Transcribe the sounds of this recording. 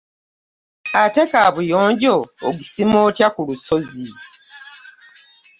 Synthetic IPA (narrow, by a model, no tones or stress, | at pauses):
atekaβujoːɲɟoːɡisimoːtjakulusozi